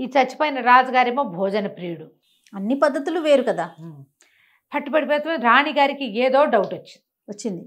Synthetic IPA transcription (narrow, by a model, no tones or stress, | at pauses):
iːt͡ʃɐt͡ʃːi̥pɐjinɐɾaːd͡ʒɐɡaːɾimoːbʱɔːd͡ʒɐnɐpɾiːuɽu | ɐnːipɐd̪ːɐt̪uluʋe̞ːɾukɐd̪aː | pʰɐʈːipɐɽipɛːt̪ɐmɾaːɳiɡaːɾikieːd̪o̞ːɖɐwʈot͡ʃːind̪d̪iʋɐt͡ʃːind̪i